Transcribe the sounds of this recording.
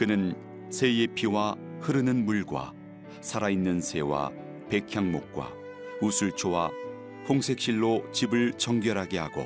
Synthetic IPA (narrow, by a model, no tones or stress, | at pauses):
kɯnɯn | sʰe̞jepʰiwahɯɾɯnɯnmuɭɡwa̰ | sʰaɾainːɯnsʰe̞wa̰ | pe̞kʰjaŋmok̚k͈wa̰ | usʰuɭt͡ɕʰowa | pʰoŋsʰe̞k̚ɕ͈iɭːot͡ɕibɯɭt͡ɕʌŋɡjʌɾɦaɡe̞haɡo̰